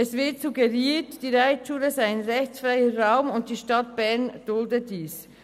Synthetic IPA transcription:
ɛsv̥ɪɐtsuɡəʁiːtd̥iːɾaɪtʃuːləzaɪaɪnʁɛçt͡sfʁaɪəʁaʊmʊnt̚d̥iːʃtɑtb̥ɛɐnd̥ʊldəd̥iːs

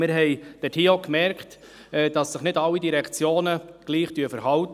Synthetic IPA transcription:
mɪɾɦɛɪd̥ɛtʰiːokmɛɾkt | ɛd̥ɑsːɪχnɪdɑlːidiɾɛkʰt͡sjoːnəɡ̥liːχd̥yəfəɾhɑlt̪

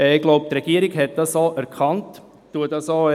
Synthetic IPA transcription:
ɛɪɡ̥loʊp̚t̪ɾɛɡ̥iəɾɪɡɦɛt̪̚d̥̪ɑsoːʔæɾkʰɑnt | tːuədɑsoː

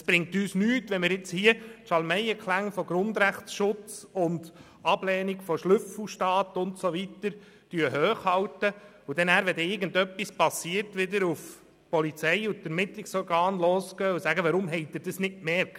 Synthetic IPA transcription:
əsb̥ɾɪŋ̚tyːsnyːtʋɛnmɪɾjɪt͡shiətʃɑlmɛɪəkχlæŋfɔɡɾʊndɾæχtsʃʊt͡sʊnd̥ | ɑb̥lɛːnikfɔʃlʏfl̩ʃtɑːt̪ʊntsoʋitəɾ | tyəɦøːχhɑwtə | ud̥ɛnæːɾʋɛdɛɪɾɡəndœpːispɑsiəɾtʋɪdəɾuf | pɔlit͡sɛɪutɛɾmɪt̪lɪksɔɾɡɑːnloːsɡœːusæɡəʋɑɾʊmɦɛɪd̥̪ɪɾd̥əsnɪtmɛɾkt

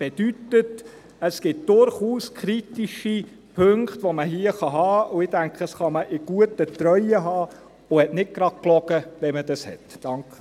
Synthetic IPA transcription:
b̥ed̥ytət | əsɡ̥ɪt̚d̥ʊɾχuːskʰɾitiʃi | pʰɵŋktʋoməɦiːəχɑɦɑːʊɪdæŋkχəsχɑməʔɪɡ̥uətət̪ɾœʏəɦɑː | ʊhɛtnɪt̚ɡ̥ɾɑd̚klɔɡ̥əʋɛmədɑshɛ̰td̥ɑŋkχə

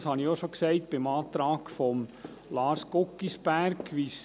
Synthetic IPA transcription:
shɑnioʃoksɛɪtb̥ɪmɑːt̪ɾɑːkfɔm | lɑːɾskokːisb̥æɾkʋis

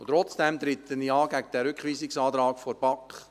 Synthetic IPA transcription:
ʊtɾɔt͡sd̥ɛmt̪ɾɪtənjiɑːɡæɡəd̥ɛɾʏkχʋiːsɪksɑːt̪ɾɑːkfɔɾb̥ɑkχ

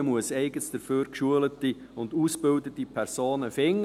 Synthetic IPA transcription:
muəsɛɪɡəsd̥əɾføːɾkʃuələtiʊnduːsb̥ɪldətipʰɛɾsoːnəfɪŋː

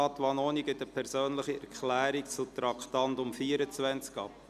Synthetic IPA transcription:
ɑt̪ʋɑnoːniɡɪtəpʰɛɾsøːnləχiɛɾkʰlæːɾikt͡sut̪ɾɑkχtɑntʊmfiːəɾət͡sʋænt͡skɑp

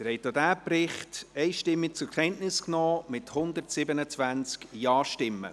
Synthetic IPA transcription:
əɾɛɪtodæːprɪχtɛɪʃtɪmːɪk̚t͡sʊɾkχɛntnɪsknɔːmɪthʊnd̪ərtsɪbənət͡svænt͡skjɑːʃtɪmːə̰

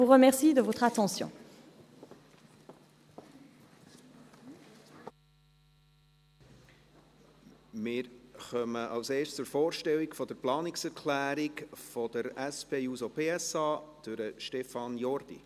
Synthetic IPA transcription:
uʁəmɛʁsid̪əvot̪χat̪ɑ̃sjɔ̰̃ | mɪːɾχœməʔɑwseːst͡sʊɾfɔːɾʃtɛwikfɔd̪əɾplɑːniksɛɾkʰlæːɾikfɔd̪əɾɛspeːjuzɔpʰeːɛsɑːd̥øɾəʃtɛfɑnjɔrd̪̥ḭ

